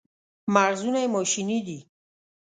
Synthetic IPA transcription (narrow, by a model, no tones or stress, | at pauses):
maɾzunajmɔʃinid̪i